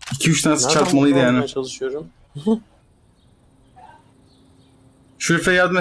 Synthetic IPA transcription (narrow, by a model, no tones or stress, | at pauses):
icʰiyt͡ʃt̪ʰanasɯ̥t͡ʃʰaɾt̪malˠɯjd̪ɯjaːnɪʃoɾu | ʃuɾfɛjaːd̪ɯn